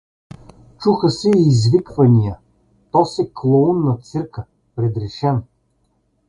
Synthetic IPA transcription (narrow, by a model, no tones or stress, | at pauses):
t͡ʃuxəsɛiːzvikvɐnijə | t̪ɔsɛklˠounːɐt̪sɘɾkə | pɾɛd̪ɾɛʃɛn